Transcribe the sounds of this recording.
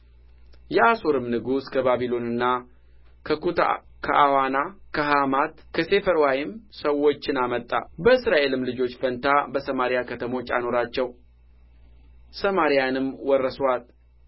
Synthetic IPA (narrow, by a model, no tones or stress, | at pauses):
jɛʔaso̞ɾɨmnɨɡuskʰəβaβilo̞nɨnːa | kʰəkut̪ʰa̰ | kʰəʔawanakʰəɦamat̪kʰəse̞fəɾwajɪmsəwo̞t͡ʃːɪnamət̪ʼːa̰bəɨsɾaʔe̞lɨmlɨd͡ʒo̞t͡ʃːfənt̪ʰabəsəmaɾijakʰət̪ʰəmo̞t͡ʃːa̰no̞ɾat͡ʃːɛw | səmaɾijanɨmwɔrːəswal